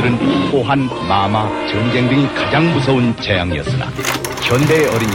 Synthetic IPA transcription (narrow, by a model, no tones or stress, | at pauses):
ɯɾɯnp͈oɦanmamat͡ɕɯnd͡ʑeŋdɯŋikad͡ʑaŋmusʰʌunt͡ɕe̞jaŋiʌs͈ɯna̰ | kjʌnde̞ʌɾiɲ